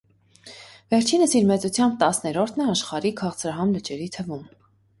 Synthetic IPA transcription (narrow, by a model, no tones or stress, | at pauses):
vɛɾt͡ʃʰinəsiɾmɛt͡sut͡sʰjɑmb̚t̪ɑsnɛɾɔɾt̪ʰnɛɑʃχɑɾikʰɑχt͡sʰɾɑɦɑmlət͡ʃɛɾit̪ʰəvum